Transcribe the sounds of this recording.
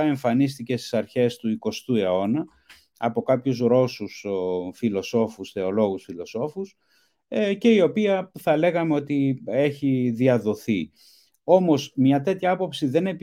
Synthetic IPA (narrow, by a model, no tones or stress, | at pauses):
e̞ɱfɐnist̪ice̞st̪isɐɾçe̞st̪uiko̞st̪ue̞o̞nɐ | ɐpo̞kɐpçuzɾo̞susfilo̞so̞fusθe̞o̞lo̞ɣusfilo̞so̞fus | ce̞io̞piɐθɐle̞ɣɐme̞o̞t̪ieçiðiɐðo̞θi | o̞mo̞zmɲɐt̪e̞t̪çɐɐpo̞psiðe̞ne̞p